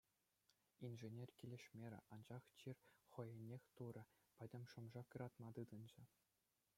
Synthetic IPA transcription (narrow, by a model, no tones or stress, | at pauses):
inʐĕnʲerʲkʲilʲeʂmʲeɾʲɘ̰̆ʔɑnʑɑχt͡ɕirʲχɤ̆jĕnʲːexʲt̪uɾɤ̆ | pʲɘ̆dʲɘ̆mʲʂŏmʐɑkɯ̆ɾɑt̪mɑt̪ɯd̪ɤ̆nd͡ʑɘ̆